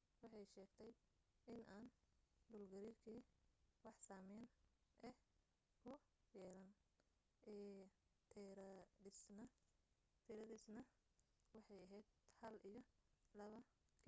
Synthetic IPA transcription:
wɑħɑjʃɛːɡt̪ʰɛj | ɪnʔaːnd̪ʊːlɡɐɾirkʰiːwɑħsaːmɛnʔɛː | kʰʊ | jɛːlɐn | ɛt̪ʰɛɾɪsnɐ | t̪ʰɪɾɐðisnɐ | wɑħɑjɐɦɛjd̪hɐlijɞlɐβɐ | kʰː

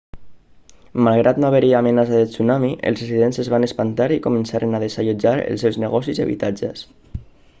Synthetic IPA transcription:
malˠɣ̞ɾʔat̪noaβəɾiaːmənas̬aðət͡sunamiʔə̰lsresiðensəzβanəspant̪aɾikumənsaɾʔənaðesaʎud͡ʒaɾə̰lˠsɛwzneɣɔsizə̰βḭt̪ad͡ʒə̰s

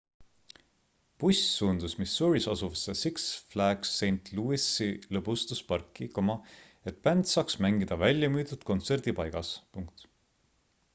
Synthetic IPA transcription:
pusʲsuːnd̪̥usmisuɾisɑsuvɑsesiksflæɡ̥sejnt̪luisilɤbust̪uspɑrkˑːikomɑ | e̞t̪pænd̪̥sɑːksmæŋɡid̪̥ɑvælʲjɑmyːd̪ud̪̥̚ko̞nt̪se̞rd̪̥ipɑjɡ̥ɑspuŋk̚t̪

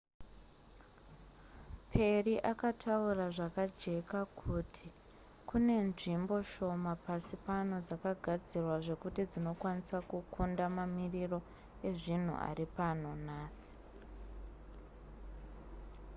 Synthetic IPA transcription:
pʰe̞riʔakatʰauraʐakad͡ʒe̞kakʰutʰi | kune̞nʐimbo̞ʃo̞mapasipano̞d͡zakaɡʱad͡zirwaʐe̞kutid͡zino̞kwanisakukʰundamamiriro̞ | e̞ʐin̤ṵʔa̰ripan̤o̞naːsi̥

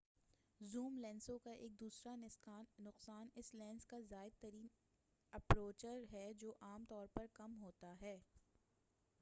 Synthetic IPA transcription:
zuːmlɛ̃ːnsõkaʔeːk̚d̪uːsɾanɪsaːnʊqsaːnɪslɛ̃ːnskazaːɪd̪̚t̪ɐɾiːn | ɐpɾoːt͡ʃəɾɦɛd͡ʒoːʔaːmt̪ɔːɾpɐɾkɐmɦoːt̪aɦɛː

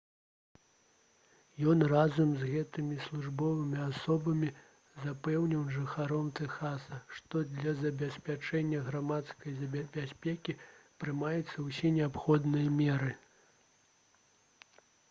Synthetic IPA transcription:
jɔnrazɐmzɣɛt̪ɨmʲislʲˠuʐbɔvɨmʲiasɔbɐmʲi | zapɛwnʲiwʐɨxaɾɔmt̪ɛxasɐʂt̪ɔd̪lʲɐzɐbʲɛsʲpʲat͡ʂɛnʲːɐɣɾamat̪skɐjzɐbʲabʲasʲpʲɛkʲipɾɨmajɛt̪sːɐwsʲɛnʲɛapxɔd̪nɨjɐmʲɛɾɨ

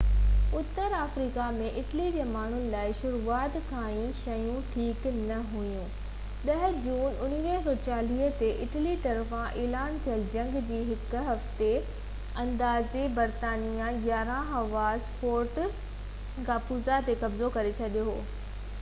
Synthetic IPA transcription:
ʊt̪ːəɾaːfɾiːkamẽʔɪʈlid͡ʑeːmaːɳ̤ʊnɪ̆laːɪʃʊɾuːaːt̪kʰãːĩʃɐjũʈʰiːknɐɦujũ | ɗɐɦ̆d͡ʑuːnʊn̤ɪniɦsɔːt͡ɕaːliːɦt̪eʔɪʈlit̪ɐɾfãʔeːlaːnt̪ʰijəld͡ʑɐ̃ŋɡd͡ʑiːɦɪk̆ɦɐft̪e | ɐ̃nd̪aːzebɐɾt̪aːnijãɡaːɾãɦɐʋaːzpoːɾʈ | kaːpuːzat̪ekɐbzokɐɾet͡ɕʰɐɗijoɦoː

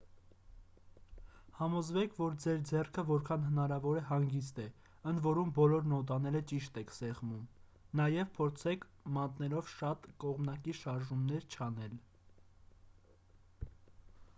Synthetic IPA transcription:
hɑmɔzvɛkʰvɔɾd͡zɛɾd͡zɛrkʰəvɔɾkʰɑnɦənɑɾɑvɔɾɛɦɑŋɡist̪ɛ | ənd̪vɔɾumbɔlɔɾnɔt̪ɑnɛɾət͡ʃiʃt̪ɛkʰsɛʁmum | nɑjɛvpʰɔɾt͡sʰɛkʰ | mɑnt̪nɛlɔvʃɑt̪kɔʁmnɑkiʃɑɾʒumnɛɾt͡ʃʰɑnɛl

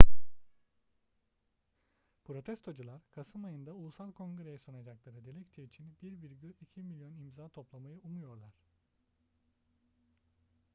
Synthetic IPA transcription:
pʰɾo̞t̪ʰɛst̪ʰo̞d͡ʒulˠaɾkʰasɯmajɯnd̪aulˠusalˠkʰõ̞ŋɡɯɾejɛsonad͡ʒaklˠaɾɯd̪elʲɛct̪ʰivit͡ʃʰinbiɾbiɾɟylʲicʰimilʲjo̞nimzaːt̪ʰo̞plˠamajɯumujo̞ɾlˠaɾ̥

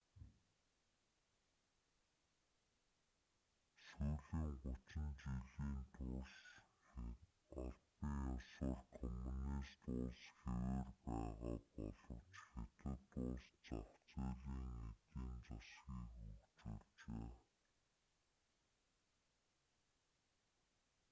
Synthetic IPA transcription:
suːɮiːŋɢʊt͡ɕɪ̆nt͡ɕiɮiːnt̪ʰʊs | ɔɮpiŋɔsʊːɮkʰɔmuniːst̪ʊɮsxewerpæːʁa̰ːpɔɮɞ̆t͡ɕxet̪ɘ̆t̪ʊst͡sɔχt͡seːɮiːŋet̪iːnt͡sɔsxiːŋxukt͡sut͡ɕeː

